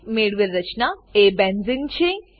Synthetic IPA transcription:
meːɽʋɪlɾət͡ʃnaeːbɛnzɪŋɡt͡ʃʰẽ

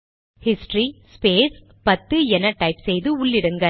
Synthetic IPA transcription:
hɪsʈrispeːs | pɐt̪ːɯɛnɐʈːɐɪpsɛjðɯʊɭːɪɽɯŋɡɐ

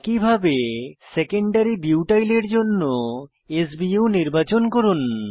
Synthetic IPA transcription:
kibʱabesekeɳɖaɾibiwʈajleɾd͡ʑonːo | es̬biuniɾbat͡ɕonkoɾun

